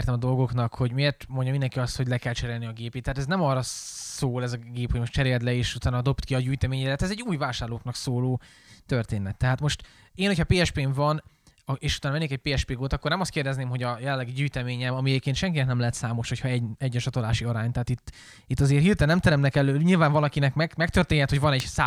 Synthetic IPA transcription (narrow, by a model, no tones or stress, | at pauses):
rt̪ɛmɒd̪o̞lɡo̞knɒkho̞ɟmeeːrt̪moɲɟɒmind̪ɛŋkiɒst̪ho̞ɟlɛkɛlt͡ʃɛɾeːlniɒɡeːpeːt̪ːɛhːt̪ɛznɛmɒrɒsoːlɛzɒɡeːpʰhoɟmo̞ʃt͡ʃɛɾeːlt̪lɛeːʃut̪aːnɒd̪o̞pt̪kiɒɟyːjt̪ɛmeːɲɛɾɛt̪ɛzɛɟːuːjvaːʃaːrloːknɒksoːloː | t̪ørt̪eːnɛt̪ːɛɦaːt̪mo̞ʃt̪ | eːnho̞cʰhɒpeːɛʃpeːɱvɒn | ɒeːʃut̪aːnmɛnːeːkɛc̚peːɛʃpeːɡoːt̪ɒkːornɛmɒst̪keːrd̪ɛzneːmɦo̞ɟɒjɛlɛnlːɛɡiɟyːjt̪ɛmeːɲɛmɒmiɛɟeːpkeːnt̪ʃɛŋkinɛknɛmlɛɦɛt̪saːmoʃho̞cʰhɒɛɟɛɟːɒt͡ʃɒt̪olaːʃiɒɾaːɲt̪ɛɦːt̪it̪ː | it̪ːɒzeːrhiːrt̪ɛnɛmt̪ɛɾɛmtnɛkɛløːɲilvaːɱvɒlɒkinɛkmɛɡmɛk̚t̪ørt̪eːɲːɛt̪hoɟvɒnɛɟsa